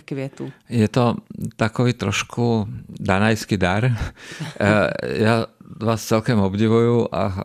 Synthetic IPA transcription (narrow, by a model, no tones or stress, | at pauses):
kʋiɛt̪ujɛt̪ɔt̪akɔʋiːt̪ɾɔʃkʰud̪anajskiːd̪aɾ | jaʋaːst͡sɛlkɔmɔbɟiʋujuʔa̰